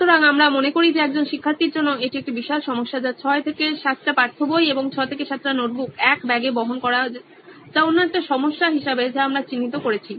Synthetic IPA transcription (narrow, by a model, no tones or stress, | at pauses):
ut̪ʰoɾaŋamɾamonekoɾid͡ʑeɛk̚d͡ʑonʃikʰːaɾt̪iɾd͡ʑonːoeʈiek̚ʈibiʃalʃɔmoʃːad͡ʑat͡ɕʰɔet̪ʰekeʃat̪ːʈapaɾt̪ʰːobojeboŋt͡ɕʰɔet̪ʰekeʃat̪ːɾanoʈ̚bukɛkbɛɡeboɦonkɔɾa | d͡ʑaonːaek̚ʈaʃɔmoʃːaɦiʃabed͡ʑeamɾat͡ɕinːit̪okoɾet͡ɕʰi